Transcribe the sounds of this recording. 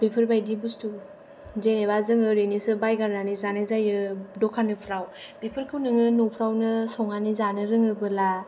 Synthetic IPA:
bipʰɯɾbajdibustu | zenebazɯŋɯɾenisɯbajɡaɾnanizanɯzajɯdɔkʰanɯpʰɾawbipʰɯɾkʰɯwnɯŋɯnɔpʰɾawnɯsɔŋanizanɯɾɯŋɯbɯla

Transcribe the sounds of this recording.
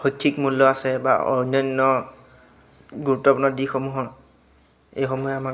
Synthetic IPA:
xojkʰːikmulːɔasɛba̰ɔ̰ɹinɔjnːɔ | ɡuɹutːɔpunɔdixomuɦɔ | ejxɔmɔjɛama

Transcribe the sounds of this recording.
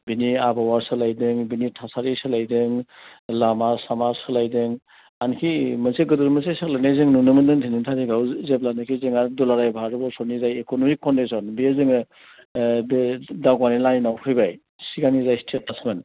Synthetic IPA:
biniabawaɾsɯlajdɯŋbinitʰasaɾisɯlajdɯŋlamasamaɾsɯlajdɯŋ | ankʰimənseɡɯduɾmɐsesɯk̚lanajzɯŋnunɯmɯndɯŋtʰinintʰaɾiɡawzep̚lanɯkʰizeŋadulaɾajbʱaɾɯbɔsɔnizajekonɔmikːɔndisɔnbiezɯŋɯ | daɡwanilaninawkʰɯjbaj | siɡanizajstʰet̚nasmen

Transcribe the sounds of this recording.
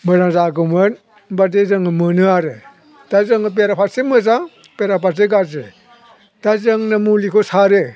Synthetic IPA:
mɯzaŋzaɡɯmɯn | baɾdezɯŋɯmɯnɯaɾe | d̥azɯŋɯp̬eɾapʰasemɯzaŋ | peɾapʰaseɡaze | d̥azɯŋnamulikʰosaɾe

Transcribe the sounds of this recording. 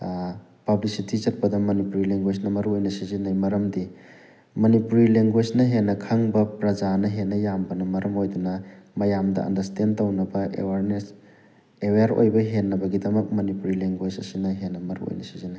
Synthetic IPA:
pɐblisitizɐt̚pɐdɐmɐnipuɾileŋɡwed͡ʒnɐmɐɾuojnɐsizinajmɐɾɐmdi | mɐnipuɾileŋɡwed͡ʒnɐɦenːɐkʰɐŋbɐpɾɐd͡ʒanɐɦenːɐjambɐnɐmɐɾɐmojdunɐmɐjamdɐ̰ɐ̰ndɐɾstʰentɐwnɐbɐḛwaɾnes | eweaɾo̰jbɐɦenːɐbɐɡidɐmɐk̚mɐnipuɾileŋɡwed͡ʒɐsinɐɦenːɐmɐɾṵo̰jnɐsi̥zinaj

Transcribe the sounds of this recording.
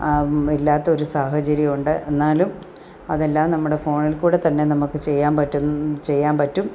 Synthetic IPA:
ilːaːt̪ːɐo̞ɾusaːhɐt͡ɕɐɾjiuɳɖɨʔenːaːlum | ɐðe̞lːaːmnɐmːuɽe̞fo̞ːɳilkuːɽe̞t̪ɐnːe̞nɐmukːɨt͡ɕe̞jːaːmpɐtːunt͡ɕe̞jːaːnpɐtːum

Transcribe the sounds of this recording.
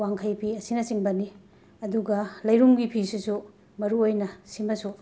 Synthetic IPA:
waŋkʰɐjpʰiɐsinɐsiŋbɐni | ɐduɡɐlɐjɾumɡipʰisisu | mɐɾuojnɐsimɐsu

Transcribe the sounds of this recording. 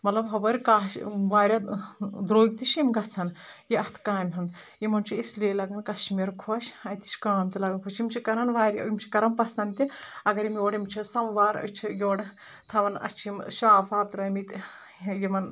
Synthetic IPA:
mɐt̪lɐbɦɐʋɐɾʲkaːʃʋaːɾʲad̪ɾoːɡ̚ʲt̪iʃimɡɐt͡sʰɐnjiɐst̪ʰkaːmʲɦɐn | jimɐnt͡ʃʰiisleːlɐɡɐnkɐʃimeɾkʰoʃɐjt̪i̥ʃʲkaːmt̪ilɐɡɐnpʰot͡ʃʰimʲt͡ʃʰikɐɾɐnʋaːɾʲimt͡ʃʰi̥kɐɾɐnpɐsɐnt̪ʲiɐɡɐɾimjoːɽimt͡ʃʰisɐmʋaːɾɐ̰t͡ʃʰijoːɽ | t̪ʰɐʋɐnɐ̰t͡ʃʰimʃaːfaːp̚t̪uɾɐmit̪ʲ | jimɐn

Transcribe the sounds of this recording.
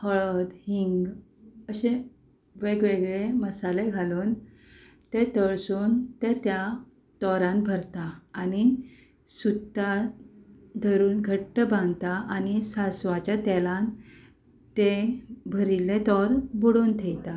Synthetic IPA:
həɭəd̪hiŋɡ | əɕẽ | ʋeɡʋeɡɭeməsaleɡʱaloːn | t̪et̪əɭsuːnt̪et̪ja | t̪ɔɾãnbʱəɾt̪aːni | sut̪ːa | d̪ʱəɾuːnɡʱəʈːəbãnt̪aanisasʋat͡ɕat̪ɛlãn | t̪ebʱəɾilet̪ɔɾbuɽoːnt̪ʰejt̪a

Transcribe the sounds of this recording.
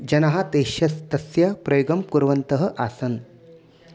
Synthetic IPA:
d͡ʒɐnɐɦat̪eːʃjɐst̪ɐsjɐpɾɐjoɡɐmkuɾʋɐnt̪ɐɦɐ̆ʔaːsɐn

